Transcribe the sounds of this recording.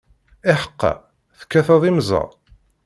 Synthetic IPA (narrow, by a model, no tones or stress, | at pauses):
ɪħə̥qːɑ̰ | θə̥kːæθɑðˤimzˤɑ̰